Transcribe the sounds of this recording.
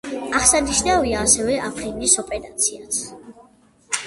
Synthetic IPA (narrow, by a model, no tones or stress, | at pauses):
aχsaniʃnaviaːsɛvɛʔapʰɾind̪isɔpʼɛɾat̪sʰias